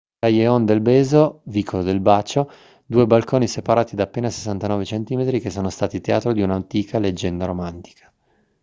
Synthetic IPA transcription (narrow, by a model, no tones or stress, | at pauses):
t̪ajeond̪elbeːzoviːkʰood̪elbaːt͡ʃo | d̪uːebalkoːnisepaɾaːt̪id̪aːpːeːnase̥sːant̪anɔːvet͡ʃent̪iːmet̪ɾikesːoːnost̪aːt̪it̪ea̰ːt̪ɾod̪iunant̪iːkʰaled͡ʒːɛnd̪aɾomant̪i̥kʰḁ